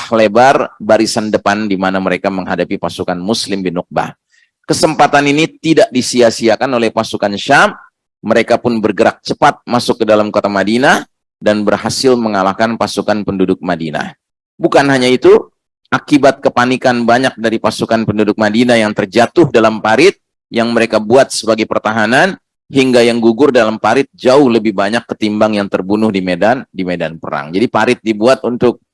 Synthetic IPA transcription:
hlebarbaɾisandəpandimanaməɾekaməŋhɦadapipasukanmuslɪmbinʊk̚ba̰ | kəsəmpat̪aninit̪idaʔ̚disiasiakanolɛhpasukanʃamː | əɾekapʊnbərɡəɾak̚t͡ʃəpat̪̚masʊkːədalamkot̪amadina | danbərhasɪlməŋalahkanpasukanpəndudʊk̚madina̰ | bukanɦaɲait̪u | ʔakibat̪̚kəpanikanbaɲak̚daɾipasukanpəndudʊk̚madinajaŋt̪ərd͡ʒat̪ʊhdalampaɾɪt̪̚ | jaŋməɾekabuat̪̚səbaɡajpərt̪aɦanan | ɦiŋɡajaŋɡuɡʊrdalampaɾɪt̪̚d͡ʒaʊhləbɪhbaɲakːət̪imbaŋjaŋt̪ərbunʊhdimedandimedanpəɾa̰ŋd͡ʒadipaɾɪt̪̚dibuat̪̚unt̪ʊk̚

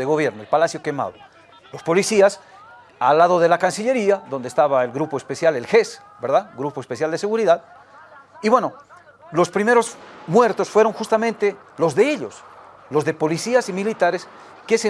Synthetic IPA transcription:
eɣo̞βje̞ɾnoelpalasjo̞ke̞ma̰ðo̰ | lo̞spo̞lisias | alːaðo̞ðe̞lakansiʎe̞ɾiaðond̪est̪aβaelɣɾupoespesjalelxes | beɾðaðɡɾupo̞espe̞sjald̪e̞se̞ɣuɾiðað | iβwe̞no̞ | lo̞spɾime̞ɾo̞smwe̞ɾt̪o̞sfweɾo̞ŋxust̪amẽ̞nt̪e | lo̞zðe̞eʎos | lo̞zðe̞po̞lisiasimilit̪aɾes | kese

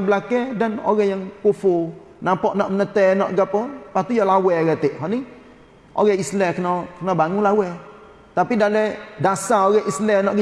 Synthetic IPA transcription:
bəlakɛdano̰ɣɛjaŋkofo | napɔʔnɔʔmənət̪ɛnɔʔɡapəpat̪ujalawɛɡɛt̪ɪʔɦɔni | ʔo̰ɡɛislɛkənɔkənɔbaŋulawɛ | t̪apidalɛdasaoɡɛʔislɛnɔʔɡ

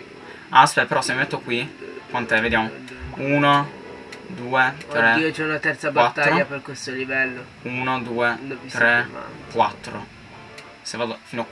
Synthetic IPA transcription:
asfɛlpeɾɔsemimɛt̪ːokwikwant̪ɛved̪jamouːno | d̪uːet̪ɾeiot͡ʃɛunat̪ɛrt̪sabawat̪ːaɾʎoːaperkwest̪olivɛlːo | uːnod̪uːet̪ɾḛkwa̰t̪ːɾo̰ | sevaːd̪ofiːnoa

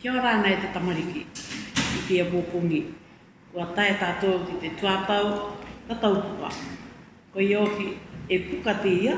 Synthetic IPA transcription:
keoɾaːnaet̪at̪amaɾikḭ | ikiapuopuŋi | uataetatookitetuatawtatawpuka̰ | kojookiepukateja

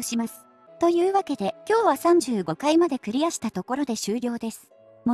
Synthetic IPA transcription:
ɕimasɨ̥ | t̪o̞jɯ̟ːβake̞d̪e̞kʲo̞ːβasãɲ̟d͡ʑɨːɡo̞kaimad̪e̞kɯ̟ɾʲiaɕi̥t̪at̪o̞ko̞ɾo̞d̪e̞ɕɨːɾʲo̞ːd̪e̞sɨ̥ | m

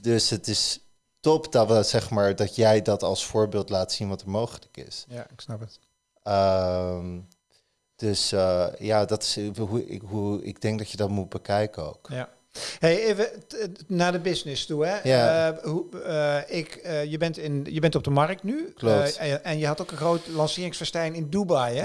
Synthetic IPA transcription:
døsətɪs | tɔpdsɛχmaːɹdɑtjɛjdɑtɑlˠsfʊːɹbɪːlˠtlaːtsinʋɑtəɹmowχələkɪ̰sjaɪksnɑpət | əm | d̥øsəjaːdɑtɪ̥sɦuɪ̰ɦuɪ̰ɡ̚dɛŋk̚dɑtjədɑtmut̚bəkɛjkəo̰wkja | ɦejejvənaːdəbɪsnɪstuɛau | ɪkːjəbɛntɪnjəbɛntɔb̚dəmɑrk̚tnykloɛnjəɦɑtowkənχrowtlɑnsɪːrɪŋsfəɹstɛjnɪndubɑj

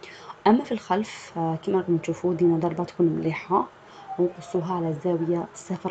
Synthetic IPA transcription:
ʔæmːæfilxalfkimæɾˤɑɣmnʃuːfud̪iːʔnad̪ˤɑɾˤbɑt̪kuːnmliːħa | wnqʊsˤːuːɦaʕalæzːæːwɪjasːafɑɾˤ

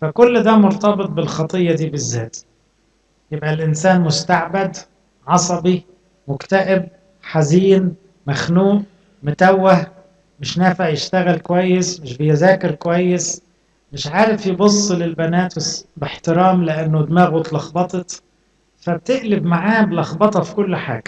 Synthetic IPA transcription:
fakʊlːd̪amʊɾt̪ɑbɨt̪̚ˤbɪlxɑt̪ˤɨjːɑd̪iːbɪzːaːt̪ | jɪbʔalʔɪnsaːnmʊst̪aʕbad̪ | ʕɑsˤɑbi | mʊkt̪aʔɪb̚ | ħaziːn | maxnuːn | mʊt̪awːah | mɪʃnaːfaʕjɪʃt̪aɣɪlkʊwajːɪsmɪʃbɪjazaːkɪɾkwajːɪs | mɪʃʕaːɾɪfjbʊsˤːɨlɪlbanaːt̪ɪsbɪħt̪ɪɾaːmlɪʔanːʊd̪maːɣʊt̪lɑxbɑt̪ˤɨt̪ | fab̚t̪ɪʔlɪbmaʕaːbɪlʔɑxbɑt̪ˤɑfi̥kʊlːħa̰ːɡa

